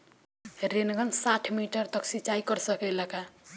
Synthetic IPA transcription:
ɾenɡənsaʈʰmiʈəɾt̪əksit͡ʃaikəɾsəkɛləka

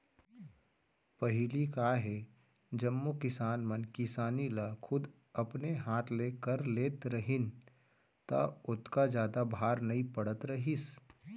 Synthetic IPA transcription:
pɐɦɪlikaːɦe | d͡ʒɐmːokɪsaːnmənkɪsaːnilakʰʊd̪ | ɐpneɦaːt̪ʰleːkəɾleːt̪ɾəɦɪn | t̪a̰ʊt̪kad͡ʒjaːd̪abʱaːɾnɐipɐɽət̪ɾɐɦis

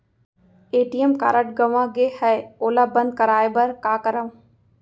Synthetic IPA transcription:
eːʈijemka̰ːɾəʈ̚ɡɐʋãɡehɛoːlabɐ̃nd̪̚kɐɾaːebɐɾkaːkəɾaʋũ

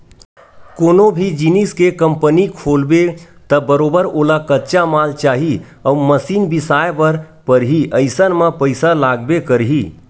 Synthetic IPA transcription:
koːnobʱid͡ʒiniskekəmpənikʰoːlbe | t̪əbəɾoːbəɾoːlakətːt͡ʃamaːlt͡ʃaːɦi | əməsiːnbisaːepəɾ | pəɾɦiʔəɪsənmẽpəɪsalaːɡbekəɾɦi

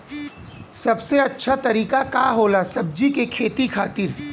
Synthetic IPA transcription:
sɐbseɐtːʃʰat̪ɐɾiːkakaɦoːlasɐb̚d͡ʒikekʰeːt̪ikʰaːt̪ɪɾ

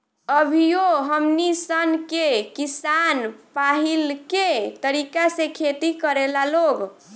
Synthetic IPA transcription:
əbʱijoɦəmnisənkekisanpaɦilket̪əɾikasẽkʰet̪ikəɾelaloɡ

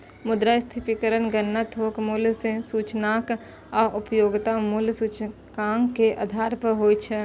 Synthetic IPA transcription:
mʊd̪ɾast̪ʰɪpikəɾənɡənːət̪ɦoːkmʊlsẽsuːt͡ʃnaːk | aːʔʊpjoːɡt̪amulsuːt͡ʃ | kaːŋkeʔa̰d̪ʱaːɾpəɦoːit͡ʃʰɛ

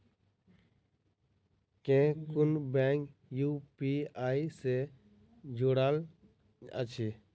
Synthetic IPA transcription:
kẽːkʊnbɛːŋkjuːpiaːise | d͡ʒoɽal | ə̰t͡ʃʰi

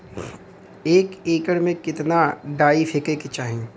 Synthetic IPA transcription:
eːkeːkəɽmẽkɪt̪naɖaːifʰekekɪt͡ʃaːɦẽː

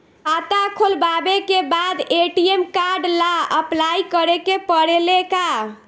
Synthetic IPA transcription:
at̪akʰolbabekebad̪eʈiemkaɾɖlaəplaikəɾekepəɽeleka

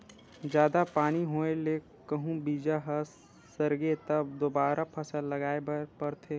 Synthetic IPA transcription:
d͡ʒjaːd̪apaːñiɦoːeleː | kəɦũbiːd͡ʒaɦɐsː | ɐɾɡet̪ɐbd̪oːbaːɾapʰɐsəlːɐɡaːebɐɾpɐɾt̪ʰeː

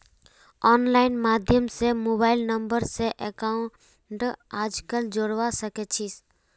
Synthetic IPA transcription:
ɔnlaːɪnmaːd̪ʱjəmsemobaːɪlnəmbəɾseʔekaʊ̃ | ʈaːd͡ʒkəld͡ʒoɽʋasəkɛt͡ʃʰis

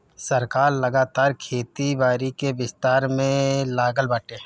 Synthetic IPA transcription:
sɐɾkaːɾlɐɡaːt̪aːɾkʰeːt̪ibaːɾikebɪst̪aːɾmẽlaːɡəlbaːʈeː

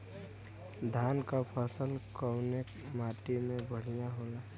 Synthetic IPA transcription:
d̪ʱaːnkapʰəsəlkəʊnek | maːʈimẽbʱəɽ̤ijaɦoːlaː

